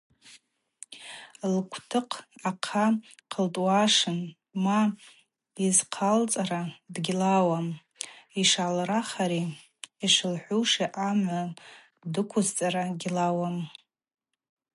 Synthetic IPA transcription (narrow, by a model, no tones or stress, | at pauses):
lkʷʰtʰɨqʰaqʰaqʰəltʼwaʂɨn | ma | izqʰalt͡sʼaɾadɡʲlawam | iʂalraχaɾi | iʂɨlħʷuʂiʔamʕa | dɨkʷʰʊzt͡sʼaɾaɡʲlawam